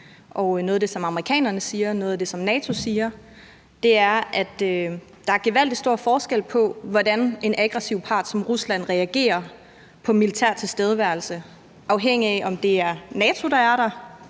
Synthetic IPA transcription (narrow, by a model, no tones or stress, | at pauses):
ʔɒ̽ʊnɔːðˠd̥e̝sɒ̽mɑ̈məʁikʰɛ̰ːnɐnəsiːɐnɔːðˠɐd̥e̝sɒ̽mnɛːt͡sʰo̝siːɐ | d̥e̝æɐʔæd̥ø | d̥ɑ̈æɐɡ̥eʋæl̰d̥isd̥o̝ɐ̰fɒːsɡ̥el̰pʰɒ̽ʋɒdæne̝næɡ̥ʁɛsiʊpʰɑ̈ːd̥sɒ̽mʁuslæn̰ʁɛæɡ̥e̝̰ːɐ | pʰɒ̽milit͡sʰæ̰ɐ̰t͡sʰe̝lsd̥eːð̞əʋæɐlsə | ʔɑ̈ʊɦeŋ̰iæʔɒ̽md̥e̝æɐnɛːt͡sʰo̝d̥ɑ̈æɐɾ̥ɑ̈